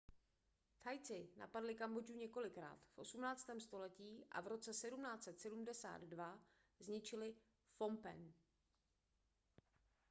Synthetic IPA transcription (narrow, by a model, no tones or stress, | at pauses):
t̪ʰajt͡sɪna̰padlɪkambo̞d͡ʒuɲɛko̞lɪkɾa̰ːt̪fʔo̞sumnaːt͡st̪ɛːmst̪o̞lɛciːʔa̰vɾo̞t͡sɛsɛdumnaːt͡sɛt̪sɛdumdɛsa̰ːd̪dva | zɲɪt͡ʃɪlɪ | fo̞mpɛ̰n